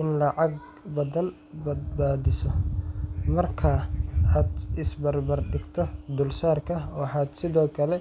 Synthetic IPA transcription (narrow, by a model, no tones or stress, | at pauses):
ʔɪnlɐʕɑɡ | bɐðɐn | bɐd̪baːðɪsɔ | mɐrkʰɐaːd̪ʔɪsbɐrbɐrɖɪɡt̪ʰɔd̪ʊlsaːrkʰɐɔːħaːd̪sɪðɔːkʰɐlɛ